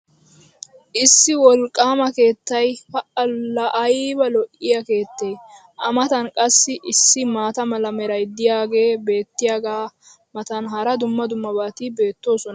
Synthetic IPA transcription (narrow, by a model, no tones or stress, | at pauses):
ʔɪsːɪwɔlkʼːaːmɐke̞ːt̪ːɐjhɐʔɐɐʔɐjbɐlɔʔɪjɐke̞ːt̪ːeː | ʔɐmɐt̪ɐnkʼɐsːɪʔɪsːɪmaːt̪ɐmɐlɐmɛɾɐjd̪ɪjaːɡe̞ːbe̞ːt̪ːɪjaːɡaː | mɐt̪ɐnɦɐɾɐd̪ʊmːɐd̪ʊmːɐbaːt̪ibe̞ːt̪ːo̞ːsɔn